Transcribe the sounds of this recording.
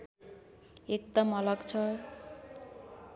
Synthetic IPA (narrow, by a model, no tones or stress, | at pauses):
ek̚t̪amɔlɔkt͡ɕʰɔɾ